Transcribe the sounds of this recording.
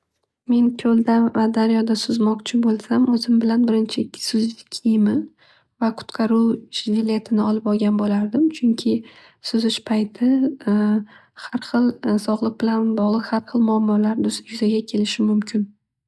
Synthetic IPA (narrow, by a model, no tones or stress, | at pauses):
me̞nkʲʰɵld̪avad̪aɾjɒd̪asʊzmɒqt͡ʃʰɪbolˠsamɵzɪmbɪlanbɪɾɪnt͡ʃʰɪsʊzɪkʲʰimɪ | vaqʰʊ̥t̪qʰɑɾuɪʃvɪlʲe̞t̪ʰɪnɪɒlˠɪpɒɾɡʲanbolaɾd̪ɪmt͡ʃʰʊŋkʲʰɪ | sʊzɪʃpʰajt̪ʰɪ | haɾχɨlˠsɒʁlˠɨq̚bɪlanbɒʁlˠɨqhaɾχɨlˠmʊamːɒlaɾd̪ʊjʊzaɡʲakʲʰe̞lɪʃɪmʊmkʲʰɪn